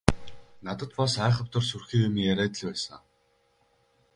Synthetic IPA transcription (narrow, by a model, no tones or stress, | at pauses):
nat̪ə̆t̪pɔsæːχə̆pt̪ʊ̆rsurxiːjʊmijæɾæːt̪̆ɮpæːsə̰ŋ